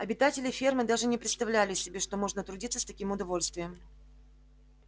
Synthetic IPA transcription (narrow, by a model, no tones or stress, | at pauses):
ɐbʲɪt̪atʲɪlʲɪfʲermɨd̪aʐɨnʲɪpɾʲɪt̪st̪ɐvlʲælʲɪsʲɪbʲeʂt̪omo̞ʐnət̪ɾʊdʲit̪səst̪ɐkʲimʊd̪ɐvo̞lʲst̪vʲɪjəm